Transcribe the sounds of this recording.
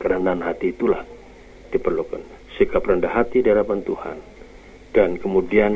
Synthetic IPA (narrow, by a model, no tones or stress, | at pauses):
kəɾənanɦat̪iːt̪ulah | d̥ipərlukan | sikaprəndaɦat̪idialapant̪uha̰n | dankəmudian